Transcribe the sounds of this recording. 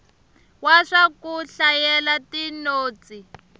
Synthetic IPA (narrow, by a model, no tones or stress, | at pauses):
waʂakuɬajɛlatinoːt͡si